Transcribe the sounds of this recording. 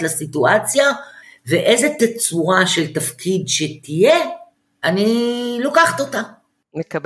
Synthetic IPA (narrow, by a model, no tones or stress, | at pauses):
lasit̪uat͡sja | veʔejzet̪et͡suʁaʃe̞lt̪afkʰid̪ʃet̪ije | anilo̞kaχt̪o̞t̪a | mekab